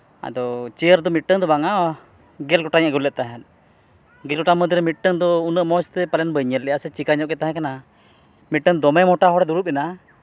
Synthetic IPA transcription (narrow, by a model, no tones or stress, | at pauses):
a̰d̪ɔt͡ʃɛəɾd̪ɔmiʈ̚ʈːəŋd̪ɔbaŋa | ɡɛlɡɔʈaɲaʔɡulɛʔ̪̚t̪aɦɛn | ɡɛlɡɔʈaməd̪iɾɛmiʈ̚ʈəŋd̪ɔunəʔmɔst̪ɛpalɛnbəɲəlɛjaʔsɛt͡ʃikaɲɔʔɡɛt̪aɦɛ̃kana | miʈ̚ʈəŋd̪ɔmɛmɔʈaɦɔɾɛd̪uɾup̚ɛna